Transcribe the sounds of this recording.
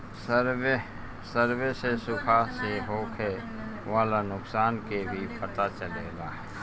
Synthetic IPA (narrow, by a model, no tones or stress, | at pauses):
səɾe | səɾwesesʊkʰaseɦoːkʰe | ʋaːlanʊksaːnkebʱipɐt̪at͡ʃəleːɡaː